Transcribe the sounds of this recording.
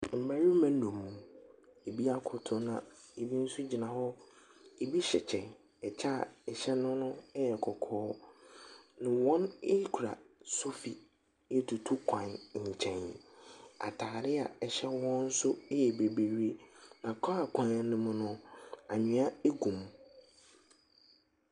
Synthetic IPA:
m̩˨mæ˦ɾi˦m˦mɛ̃˨˦nɔ̃˨mːũ˨e˨bi˦a˦kʰʊ˨tʰʊ˦nã˨e˨bi˦n̩˦sʊ˦d͡ʑi˨nã˨hɔ˦ | e˨bi˦ɕɛ̰˨t͡ɕʰɛ̃˨n | ɛ˨t͡ɕʰa˦˨ɛ˨ɕɛ˦nʊ̃˦nʊ̃˦ɛ˦jɛ˨kʰɔ˨kʰɔː˦ | nʊ̃˨wɔ̃˦ne˦kʰu˨ɾa̰˨so˦fi˨ | e˦tʰu˨tʰu˦kʰã˨nɲ̩˨t͡ɕʰɛ̃˨n | a̰˨tʰaː˨ɾɪ˦a̰˨ɛ˨ɕɛ˦wɔ̃˦n̩˦sʊ˦jɛ˨be˨be˨ɾi˦e˦nã˨kʰa˦a˨kʰʷã˨na˨nʊ̃˦mʊ̃˦nʊ̃˦a˨ɲĩ˨˦a˦e˦ɡũ˨m

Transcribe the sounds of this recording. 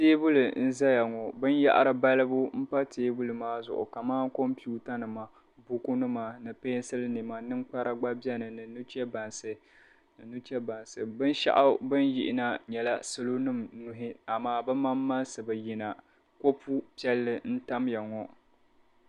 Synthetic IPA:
teː˦bʊ˦lɨ˨n̩˦za˦ja˨ŋɔ˨bɨ˦n˦ja̰˦ʔa̰˦ɾɨ˨ba˦lɨ˦bʊ˦m̩˦pa˦teː˦bu˦lɨ˨maː˦zʊ̰˨ʔʊ̰˨ka˨maː˦ŋ˦ko˦mpi˦u˦ta˦nɨ˨ma˨ | bu˦ku˦nɨ˦ma˨nɨ˨pe˦n˦sɨ˦lɨ˦ni˨ma˨nɨ˦ŋk͡pa˦ɾʔa˦ɡ͡ba˦bɛ˦nɨ˨nɨ˨nu˦t͡ʃɛ˦ba˨nsɨ˨ | nɨ˨nu˦t͡ʃɛ˦ba˨nsɨ˨bɨ˦nʃa̰˦ʔa˦bɨ˦njɪ̰˦ʔɪ˨na˦ɲɛ˨la˦sɨ˦lo˦nɨ˦mnʊ˨ɦɪ˦a˨maː˦bɨ˦ma˦mːa˦nsɨ˨bɨ˨ji˨na˨ | ko˦pʰu˦pi˦ɛ˦lːɨ˨n̩˦ta˦mja˨ŋɔ˨

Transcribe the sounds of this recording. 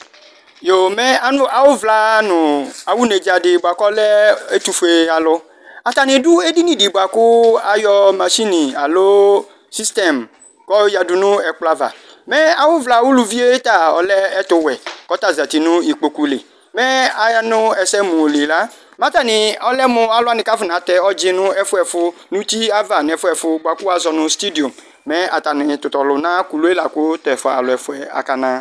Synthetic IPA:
jo˨mɛ˦a˦nʊ˦a˨wʊ˦vla˦nʊ̃˨a˨wu˦ne˨d͡ʒa˨ɖɪ˨ba˨kɔ˦lɛ˦e˦t̪u˦fe˨a˨lʊ˦ | a˨t̪a˨nɪ̃˨du˦e˦di˦nĩ˨di˨bo˨a˨kʊ˦a˨jɔ˦ma˨ʃi˦nĩ˨a˨lo˦ | si˦st̪ɛ˨m | kɔ˦ja˨du˨nʊ̃˦ɛ˨k͡pla˦va̰˨ | mɛ˦a˨wʊ˦vla˦wu˦lu˨vi˦e˦t̪a˦˨ɔ̰˨lɛ˦ɛ˦t̪ʊ˨wɛ˨kɔ˦t̪a˦˨za˨t̪i˨nʊ̃˦i˨k͡po˨ku˨˦lɪ˨ | mɛ˦a˨ja˦nʊ̃˦ɛ˨sɛ˦mũ˨li˨la˦ | mã˦t̪a˦˨nɪ˨ɔ˦lɛ˦mʊ̃˦a˨lʊ˦a˦˨nɪ˨˦ka˦fʊ˨nã˨t̪ɛ˦ɔ˦d͡ʒɪ˦nʊ̃˦ɛ˦fʊ˦ɛ˨fʊ˦nũ˦t̪i˦a˦va˨n˨ɛ˨fʊ˦ɛ˨fʊ˦ɡ͡bʷa˨ku˦a˦zɔ˨nʊ̃˨st̪i˦di˨ɔ˨m | mɛ˦a˨t̪a˨nɪ̃˨t̪ʊ˨t̪ɔ˨lʊ˨nã˦ku˨lu˨˦e˦la˨kʊ˦t̪ɛ˨fɔ˨a̰˨lʊ˨ɛ˨fʊ˦ɛ˨a̰˨ka˨nã˦

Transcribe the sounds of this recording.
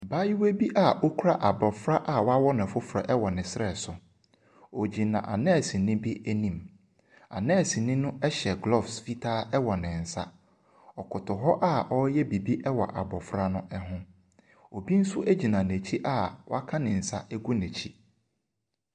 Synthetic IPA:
ba˦ji˦we˦bi˦ʔa˦˨ʔo˦kʰu˦ɾa˦ʔa˨bɔ˨fɾa˦ʔa˦wɔ˦a˦wɔ˦nɪ̃˨fʊ˦fɾa̰˨ʔɛ˦wɔ˨nɪ̃˨sɪ˦ɾɛ˨sʊ˨ | o˨d͡ʑi˨nã̰˨ʔa̰˨nɛ̃˦˨sĩ˨nɪ̃˦bi˦æ˦nĩ˨m | a̰˨nɛ̃˦˨sĩ˨nɪ̃˦nʊ̃˦ɛ˦ɕɛ˨ɡlɔ˦˨fsfi˦tʰaː˦ɛ˦wɔ˨nɪ̃˨n̩˨sa̰˦ | ɔ˨kʰʊ˨tʰʊ˨ɦɔ˦ʔa˦˨ɔ˦jɛ˦bi˨bi˦ʔɛ˦wɔ̰˨ʔa̰˨bɔ˨fɾa˦nʊ̃˦ʔɛ˦ɦʊ̃˦ | o˨bi˦n̩˦sʊ˦ʔæ˦d͡ʑi˨nã˨næ˨t͡ɕʰi˦ʔa˦˨wa˦kʰã˦nɪ̃˨n̩˨sa̰˦ʔɛ˦ɡu˦næ̃˨t͡ɕʰi˦

